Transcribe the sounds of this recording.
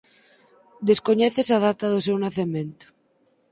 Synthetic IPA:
d̪eskoɲɛθesaðat̪aðosewnaθemẽnt̪ʊ̥

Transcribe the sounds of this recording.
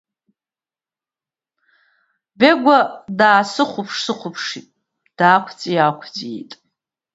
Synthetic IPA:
beɡʷadaːsɨχʷʊpʰʂsɨχʷʊpʰʂitʼ | d̥aːkʷʰt͡sʼiakʷʰt͡sʼiitʼ

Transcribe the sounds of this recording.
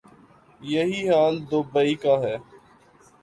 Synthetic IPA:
jəɦiːɦaːld̪oːbəiːkaːɦɛː

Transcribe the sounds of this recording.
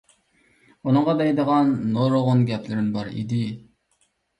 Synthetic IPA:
unɨɴʁɑd̪ɛjd̪əʁɑnːoɾoʁʊnɡʲɛplɪɾɪnbɑɾḭd̪ɪ

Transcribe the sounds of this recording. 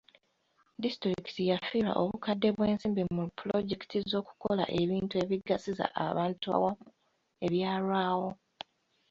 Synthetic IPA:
distɾikitijafiːɾa̰ʔo̞̰βukadːe̞βwe̞ːnsiːmbimuplo̞ɟeki̥tʰizo̞ːku̥ko̞la̰ʔe̞βiːntue̞βiɡːasiza̰ʔa̰βaːntua̰wau | e̞βjaːɾwaːwo

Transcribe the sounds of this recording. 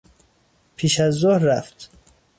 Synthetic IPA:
pʰiːʃæzːohɾːæft̪

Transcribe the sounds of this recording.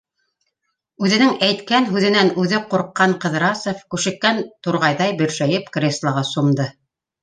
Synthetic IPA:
ʉðɘ̆nɘŋæjt̪kænɦʉðɘ̆nænʉðɘquɾqːɑɴqɤ̆ðɾɑsŏfkʉʃɘ̆kːænt̪uɾʁɑjðɑjbɘ̆ɾʃæjɘpkrʲeslˠɑʁɑsumd̪ɤ

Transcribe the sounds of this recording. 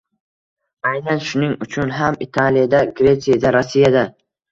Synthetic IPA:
ajnanʃʊnɪŋʊt͡ʃʰʊnɦamit̪ʰalijad̪aɡɾʲe̞t̪sijad̪aɾasːijad̪a

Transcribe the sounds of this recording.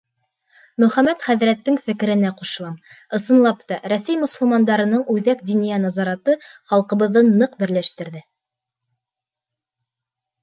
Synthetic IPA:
mɵ̆χæmæt̪χæðɾæt̪ːɘŋfɘ̆kɘ̆ɾɘ̆næquʃɤlˠɑm | ɤ̆sɤ̆nlˠɑpt̪ɑɾæsæjmɵ̆sɤ̆lˠmɑnd̪ɑɾɤ̆nɤɴʉðæk̚d̪inijænɑzɑɾɑt̪ɤχɑlˠqɤ̆βɤ̆ðːɤnːɤqbɘ̆ɾlæʃt̪ɘ̆ɾðɘ

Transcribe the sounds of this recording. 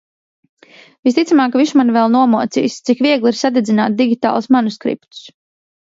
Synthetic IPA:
vist̪it̪samaːkviʃmanvɛlˠnuɔmuɔt̪sḭːst̪sikviɛɡlˠiɾsad̪ɛd̪zinaːt̪̚d̪iɡʲit̪a̰ːlˠsmanuskɾḭpt̪u̥s

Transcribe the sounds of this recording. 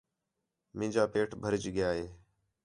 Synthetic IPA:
mɪ̃ːd͡ʒaːpeːʈʰbʱəɾd͡ʒɠɪjaːɦeː

